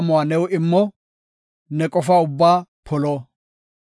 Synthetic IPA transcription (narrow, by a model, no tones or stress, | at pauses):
mʊwanɛwɪmːɔ | nɛkʼɔfaːʊbːaːpʰɔlɔː